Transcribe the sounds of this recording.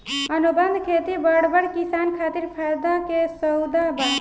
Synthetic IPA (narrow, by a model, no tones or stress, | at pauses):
ənubənd̪kʰet̪ibəɽbəɽkisankʰat̪iɾpʰajd̪akesəwd̪abə